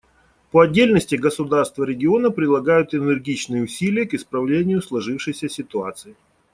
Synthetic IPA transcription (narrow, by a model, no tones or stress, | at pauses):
pəɐdʲːelʲnəsʲtʲɪɡəsʊd̪arst̪vəɾʲɪɡʲɪo̞nəpɾʲɪd̪lˠɐɡajʊt̪ɪnɪrɡʲit͡ɕnɨjəʊsʲilʲɪjəkɪspɾɐvlʲenʲɪjʊslˠɐʐɨfʂɨjsʲəsʲɪt̪ʊat̪sɨɪ